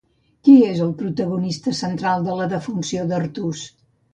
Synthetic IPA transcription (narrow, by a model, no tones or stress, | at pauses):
kiezəlˠpɾut̪əɣunist̪əsənt̪ɾalˠd̪ələðəfunsioðərt̪us